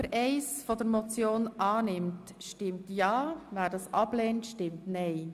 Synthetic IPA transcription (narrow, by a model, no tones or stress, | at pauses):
əɾʔɛɪsfodəɾmɔt͡sjoːnʔɑːnɪmt | ʃtɪmtjɑːvæːɾdɑsɑb̥leːntʃtɪmtnɛɪ